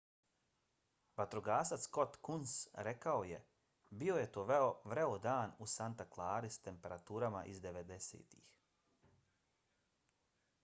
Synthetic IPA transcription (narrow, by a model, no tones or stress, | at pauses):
bat̪ɾoɡaːsat̪skot̪kunsɾekao̞je̞ | bio̞je̞t̪oːʋe̞oʋɾeod̪aːnusant̪aklˠaːɾist̪e̞mpe̞ɾat̪uːɾama̰ʔizd̪e̞ʋe̞d̪esḛːt̪ḭx